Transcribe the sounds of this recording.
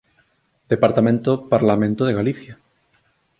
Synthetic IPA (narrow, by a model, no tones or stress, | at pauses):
d̪̥epaɾt̪amẽnt̪opaɾlamẽnt̪oð̞eɣaliθja